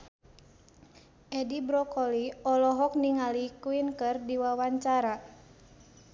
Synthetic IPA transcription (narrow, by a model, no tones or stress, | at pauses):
ʔɛdibɾɔkɔliɔlɔɦɔk̚niŋalikuinkɨrdiwawaɲt͡ʃaɾa